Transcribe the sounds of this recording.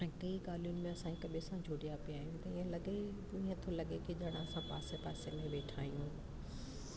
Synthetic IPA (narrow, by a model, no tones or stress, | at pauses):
ɛ̃kɐiɡaːlijʊnɪ̆mẽɐsãkekɐɓesãd͡ʑʱoːɽijapijaːɦijũt̪ɐĩːẽlɐɠe | ĩɦẽt̪ʰolɐɠekiʄɐɽ̃aɐsãpaːsepaːsemẽʋeːʈʰaːijũ